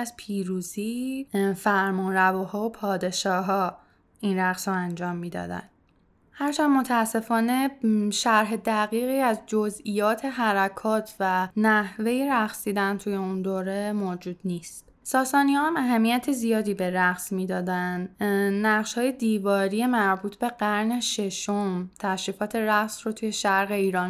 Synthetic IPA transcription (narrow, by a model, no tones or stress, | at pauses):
æzpʰiːɾuːziːfæɾmɔːnɾævoːhɒːopʰɒːd̪e̞ʃɒːɦɒː | inɾæɣsɾoænd͡ʒɒːmːiːd̪ɒ̰ːd̪æ̰n | hæɾt͡ʃʰænmo̞t̪ʰæːsːe̞fɒːne̞ʃæɾɦe̞d̪æɣiːɣiːæzd͡ʒo̞zijɒːt̪ʰe̞ɦæɾækʰɒːt̪ʰvænæhve̞jeɾæχsiːd̪ænt̪ʰujeund̪oːɾe̞moːd͡ʒuːd̪̥niːst̪ | sɒːsɒːniɒhæmæɦæmːijæt̪ʰezijɒːd̪iːbe̞ɾæɣsmiːd̪ɒːd̪ænnæʁʃhɒːje̞d̪iːvɒːɾijemæɾbuːt̪ʰbe̞ɢæɾne̞ʃe̞ʃomt̪ʰæʃɾiːfɒːt̪ʰe̞ɾæɣsrot̪ʰuje̞ʃæɾʁe̞iːɾɒːn